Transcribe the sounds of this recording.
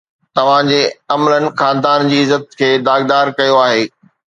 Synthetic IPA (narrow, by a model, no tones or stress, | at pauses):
t̪ɐʋ̤ãd͡ʑeɐmələnɪ̆xãːnd̪aːnd͡ʑiːɪzət̪̚kʰeːd̪aːɡd̪aːɾkɐjoaːɦeː